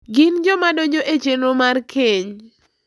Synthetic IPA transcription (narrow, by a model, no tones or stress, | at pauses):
ɡɪnd͡ʒɔmadoɲd͡ʒoʔet͡ʃenomarkʰeɲ